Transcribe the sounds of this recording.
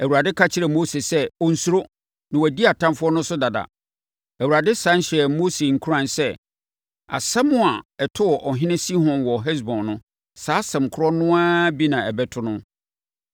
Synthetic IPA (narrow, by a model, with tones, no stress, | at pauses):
æ˨wu˨ɾa˨dɪ˦kʰa˦t͡ɕʰɪ˦ɾɛ˨mo˦se˨sɛ˦ɔ˦n̩˦su˦ɾo˦ | nã˨wæ˨di˦a˨tʰã˦mfʊ˦ɔ˦nʊ̃˦sʊ˦da˨da̰˨ | æ˨wu˨ɾa˨dɪ˦sã˨˦n˦ɕɛ˨mo˦se˨ŋ̩˨kʰu˦ɾã˦˨nsɛ˦ | a̰˨sɛ˦mʊ̃˦a˨ɛ˨tʰʊ˦wɔ˨ʔɔ˨ɦɪ̃˦nɪ̃˦si˦ɦɔ̃˨nwɔ˨ɦɛ˦s̬bɔ̃˨nːʊ̃˦ | saː˦sɛ̃˨mkʰɾɔ˦nʊ̃˦a˦bi˦nã˨ɛ˨bɛ˦tʰʊ˦nʊ̃˦